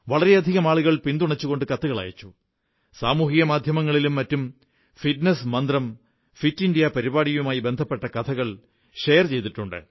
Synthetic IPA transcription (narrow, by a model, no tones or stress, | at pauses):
ʋɐɭɐɾe̞ɐd̪ʱiɣɐmaːɭuɣɐɭpind̪uɳɐt͡ɕːuɣo̞ɳɖɨkɐt̪ːuɣɐɭɐ̰ːjɐ̰t͡ɕːu | saːmuːɦiɣɐmaːd̪ʱjɐmɐŋːɐɭilumːɐtːum | fiʈnesmɐnd̪rɐm | fitːindijɐpɐɾibaːɽijumaːjibe̞nd̪ʱɐpːe̞ʈːɐkɐt̪ʰɐɣɐɭ | ɕejɐrt͡ɕe̞jt̪iʈːuɳɖɨ̰